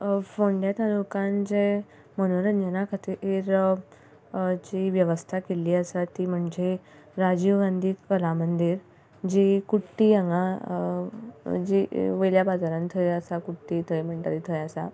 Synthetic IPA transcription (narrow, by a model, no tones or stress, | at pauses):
foɳɖjat̪alukãnd͡ʑe | mənoɾəɲd͡ʑənakʰat̪iʔeːɾ | d͡ʑiʋjəʋəst̪ʰakeliːəsat̪iːm̤əɳd͡ze | ɾad͡ʑiʋɡand̪ʱiːkəlamənd̪iːɾ | d͡ʑikuʈːiːə̃ŋɡa | d͡ʑiʋəjljabad͡zaɾãnt̪ʰəjəsakuʈːiːt̪ʰəjm̤əɳʈaɾit̪ʰəjasa̰